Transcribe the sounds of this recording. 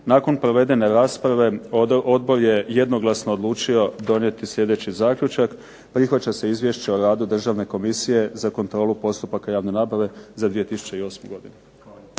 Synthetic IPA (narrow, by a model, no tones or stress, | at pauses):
naːko̞npɾo̞ʋe̞d̪e̞ne̞ɾaːspɾaʋe̞od̪̚bo̞ɾje̞jed̪no̞ɡlˠasnoːd̪lˠuːt͡ʃio̞d̪o̞nje̞t̪isʎʲe̞d̪e̞t͡ɕizaːkʎʲut͡ʃak | pɾixʋat͡ɕase̞izʋʲje̞ʃt͡ɕeoɾaːd̪ud̪r̩ʒaːʋne̞ko̞misije̞zako̞nt̪ɾo̞ːlupo̞st̪upakajaːʋne̞naːbaʋe̞zad̪ʋijet̪isu̥t͡ɕeio̞ːsmuɡo̞d̪inu